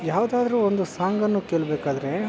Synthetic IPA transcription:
jaːʋd̪aːd̪ɐɾuːond̪usaːŋɡɐnːuːkeːɭbeːkaːd̪ɐɾe̞

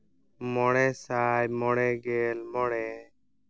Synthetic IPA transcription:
mɔɽɛːsaːjmɔɽɛːɡeːlmɔɽɛː

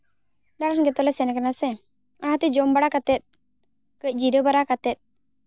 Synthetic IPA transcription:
d̪aɽanɡɛt̪ɔlɛsɛnakanasɛ | aɽɦat̪ɛd͡ʒɔmbaɽakat̪ɛt̪̚ | kəc̚ˀd͡ʒiɾəbaɾakat̪ɛt̪̚

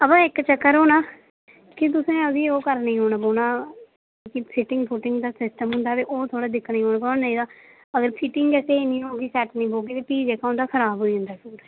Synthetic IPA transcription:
əpãːɪkt͡ʃəkːəɾɦoːnaː | kɪt̪̬ʊsẽːəsiːoːkəɾnĩːɦoːnaːboːɳaː | kipʰɪʈɪ̃ŋɡpʰʊʈɪŋɡd̪aːsɪsʈəmɦʊ̃nd̪aːt̪eːʔoːt̪ʰoːɽaːd̪ɪkʰːnĩːɦoːnaːbənneĩːd̪aː | əɡəɾpʰɪʈɪŋɡɛːseːnĩːɦoːɡiːsɛːʈnĩːboːɡiːt̪eːpiːd͡ʒɛːkãʊ̃nd̪aːkʰəɾaːbɦoːiɦʊ̃nd̪aːkuːɽ

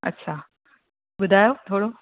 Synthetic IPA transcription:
ɐ̰tːɕʰaː | bʊd̪ʱaːjot̪ʰoːɽo

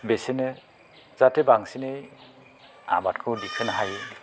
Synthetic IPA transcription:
besinɯ | zatebaŋsinej | a̰matkʰodikʰɯnaɦaj

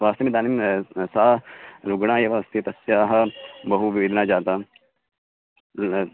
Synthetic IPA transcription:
ʋaːst̪ɐmid̪aːnimsaːɾuɡɽãːjɐʋɐst̪it̪ɐsjaːɦɐbɐɦuʋid̪naːd͡ʒaːt̪aː

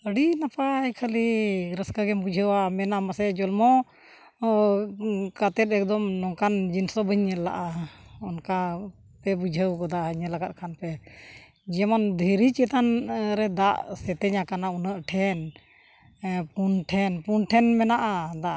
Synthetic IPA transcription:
əɽinapaːjkʰəliɾəskaɡɛmbud͡ʒʱəwamɛnamasɛd͡ʒɔlmɔ | kat̪ɛt̪̚ɛk̚d̪ɔmnɔŋkand͡ʒinsɔbəɲɛla̰ʔaɔnka | pɛbud͡ʒʱəwkɔd̪aəɲɛlaɡat̪̚kʰanpɛ | d͡ʒɛmɔnd̪ʱəɾit͡ʃɛt̪anɾɛd̪aʔsɛt̪ɛɲakanaunəʔʈʰɛn | punʈʰɛnpunʈʰɛnmɛnaʔad̪aʔ

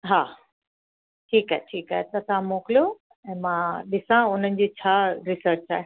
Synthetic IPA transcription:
ɦaː | ʈʰiːkaːɦeʈʰiːkaːɦet̪ɐt̪ãmoːkɪlijo | ɛ̃ːmãːɗɪsãʊn̤ənɪ̆d͡ʑiːt͡ɕʰaːɾɪsəɾt͡ɕa̰ːɦe

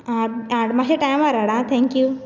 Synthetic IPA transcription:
aaɽmaɕeʈajmaɾaɽat̪ʰɛ̃ŋkju

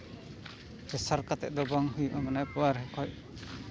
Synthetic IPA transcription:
hɛsaɾkat̪ɛ̰ʔ̚ˀd̪ɔbɔŋɦujuʔɔmanajpɔwaɾɦɛkʰɔj

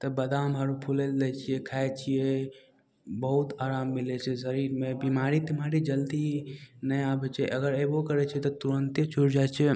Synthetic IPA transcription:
t̪ɔbəd̪ambʱaɾupʰuleld̪ɛt͡ʃʰiɛkʰajt͡ʃʰijɛ | bəɦut̪aɾamːilɛt͡ʃʰɛzəɾiɾmebimaɾit̪imaɾid͡ʒəld̪inəjabɛt͡ʃʰɛʔəɡəɾebokəɾɛt͡ʃʰɛt̪ɔt̪uɾənt̪jət͡ʃʰuɾd͡ʒajt͡ʃʰɛ

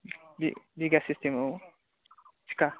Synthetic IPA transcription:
bḭbiɡasistemow | t͡ʃʰi̥ka

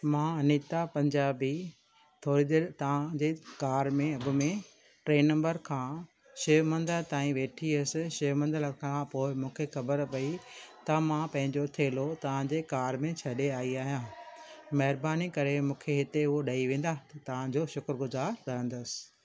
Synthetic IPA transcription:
mãːɐnit̪apɐ̃ɲd͡ʑaːbi | t̪ʰoːɾid̪eːɾt̪ɐʋ̤ãd͡ʑeːkaːɾmẽɐbʊ̆mẽ | ʈɾeːnɐ̃mbəɾkʰãː | ʃeːmɐ̃nd̪əlt̪aːĩʋeːʈʰiɐsɪ̆ʃeːmɐ̃nd̪əlkʰãːpoːɪmũːkʰexɐbəɾpɐit̪ɐmãpɐ̃ɦɪ̃ɲd͡ʑot̪ʰeːlot̪ɐʋ̤ãd͡ʑeːkaːɾmẽt͡ɕʰɐɗeaːiaːɦijãːmɐɦɪɾbaːnikɐɾemũːkʰeɦɪt̪eʊɦoɗɐiʋẽːn̆d̪at̪ɐt̪ɐʋ̤ãd͡ʑoʃʊkɾɡʊzaːɾkɐɾə̃nd̪ʊsɪ̥̆

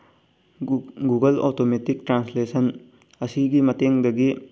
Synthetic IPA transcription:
ɡuɡɐlotometik̚tɾanslesʰɐn | ɐsiɡimɐteŋdɐɡi

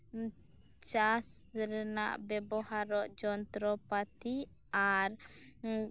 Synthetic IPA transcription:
t͡ʃasɾɛna̰ʔbɛbɔhaɾɔʔd͡ʒɔnt̪ɾɔpat̪i | aɾ

